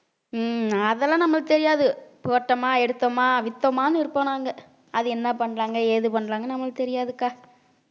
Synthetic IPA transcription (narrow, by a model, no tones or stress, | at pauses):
ɐðɛlːãːnɐmːɐɯt̪ɛɾɪjaːðɯpʊɣɐʈːɐmaːɛɽɯt̪ːɐmaːʋɪt̪ːɐmaːnɯɪɾɯpːɐːnaːŋɡɐ | ɐðɯɛnːɐpɐɳːɾaːŋɡɐeːðɯpɐɳːɾaːŋɡɐnɐmːɐlt̪ɛɾɪjaːðɯkːaː